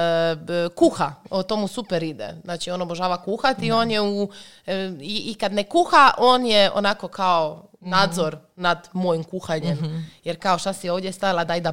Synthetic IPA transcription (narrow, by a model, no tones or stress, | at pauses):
kuxaot̪o̞musupeɾid̪ḛznaːt͡ʃio̞noboʒaːʋakuxat̪io̞ːnjeu | iːkad̪nekuxaʔo̞ːnjeo̰nako̞kʰaonaːd̪zo̞ɾ | nad̪mo̞jimkuxaɲemjeɾkao̞ʃt̪asioːʋd̪jest̪ailad̪ajd̪a